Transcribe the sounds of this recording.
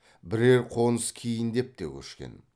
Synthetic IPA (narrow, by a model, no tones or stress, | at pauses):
bɪɾe̞ɾqʰonəskʲʰijɪnd̪e̞p̚t̪e̞kʲʰɵ̰ʃkʲe̞̰n